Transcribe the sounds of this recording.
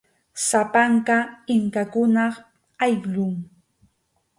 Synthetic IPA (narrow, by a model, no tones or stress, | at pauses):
sapaŋkaɪŋkakʊnɑ | ajʎʊŋ